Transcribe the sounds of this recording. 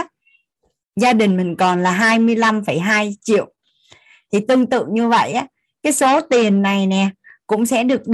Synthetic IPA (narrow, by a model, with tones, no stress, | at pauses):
zaː˧ɗï˨˩ŋ̟mï˨˩ŋ̟kɔ˨˩nlaː˨˩ɦaː˧jmɨ˧əjla˧mfə˧˩jɦaː˧jt͡ɕḭ˧˨əw | t̪ʰi˨˩t̪ɨ˧əŋt̪ɨ̰˧˨ŋɲɨ˧və̰˧˨jʔaː˨˦ | kaː˨˦jso˨˦t̪i˨˩ənːa˨˩jnɛ˨˩kʊ̰˧˥ŋ͡msɛ̰˧˥ɗɨ˨˩ək̚ɗ